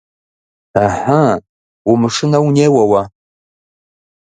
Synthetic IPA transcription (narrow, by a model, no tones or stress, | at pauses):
aħa | ʊmɨʂɨnɐwneːwɐwa